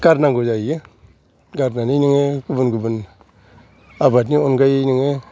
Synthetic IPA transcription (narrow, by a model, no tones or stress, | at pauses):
ɡ̥aɾnaŋɡud͡ʒaje | ɡaɾnaniniŋekubunɡubun | abatnionɡajniŋe